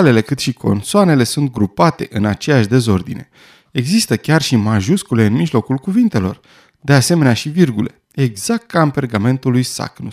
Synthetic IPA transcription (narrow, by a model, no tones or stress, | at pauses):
ale̞le̞kɨt̪ʃikʰo̞̰nsoane̞le̞sunt̪̚ɡɾupat̪e̞ʔɨnat͡ʃe̞jaʃd̪e̞zo̞rd̪ine̞̰ | e̞ɡzist̪əkʲarʃimaʒuskule̞ɨnmiʒlo̞kulkuvint̪e̞lo̞̰r | d̪e̞ase̞me̞neaʃivirɡule̞̰ | e̞ɡz̥ak̚t̪̚kampe̞rɡame̞nt̪ulujsa̰knus